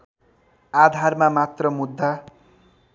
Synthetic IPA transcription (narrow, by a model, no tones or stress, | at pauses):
ad̪ʱarmamat̪rʌmud̪ʱːa